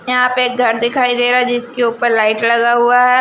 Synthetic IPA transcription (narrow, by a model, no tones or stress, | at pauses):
jɐɦãpeeːk̚ɡʱɐɾd̪ɪkʰaːid̪eːɾaɦɛd͡ʒɪskeuːpəɾlaːɪʈlɐɡaɦuaɦɛː